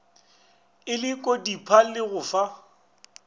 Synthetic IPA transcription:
ɪlɪkʼodipʰalɪɣʊːfa

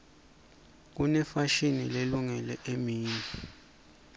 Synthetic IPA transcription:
k̬unɛfaʃinileluŋɛlɛʔemiːni

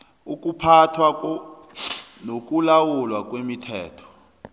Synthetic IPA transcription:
uk̬ʼupʰatʰwak | nok̬ʼulawulwak̬ʼwemitʰɛ̰ːtʰɔ̥

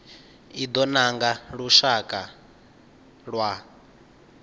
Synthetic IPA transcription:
id̪ɔnaŋɡaɺuʃakʼa | ɺwa

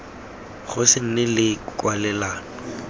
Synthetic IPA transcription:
χʊsɪn̩nɪlɪkʼwalɛlaːnɔ

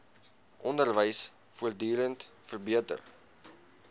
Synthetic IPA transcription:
ʔɔndərvəjs | fuərdyːɾənt | fərbiətə̰r

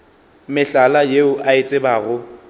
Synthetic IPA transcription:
mɪɬalajeʊʔaɪt͡sʼɪbaːɣʊ

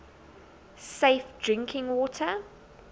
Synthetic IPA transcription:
seɪfd̥ɹɪ̃ŋkʰɪ̃ŋwɔtʰə

